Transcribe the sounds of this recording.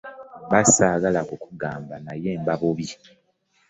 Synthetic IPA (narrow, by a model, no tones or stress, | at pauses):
βasaːɡalakukuɡaːmbanaje̞ːmbaβoβi